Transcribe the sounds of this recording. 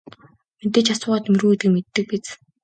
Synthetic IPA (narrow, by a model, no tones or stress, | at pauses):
met̪eːt͡ɕasʊːʁaːt̪emrɣuːet̪ɡɘ̆met̪ːɘ̆k̚pit͡s